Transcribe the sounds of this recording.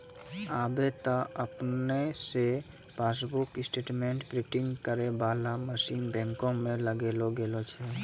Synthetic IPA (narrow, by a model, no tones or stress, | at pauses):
aːbet̪aəpnese | paːs̬bʊkɪsʈeːʈmẽːɳʈpɾɪːʈɪ̃ŋɡkəɾebaːlaməʃiːnbɛ̃ːŋkõmẽləɡeːloɡeːlot͡ʃʰɛ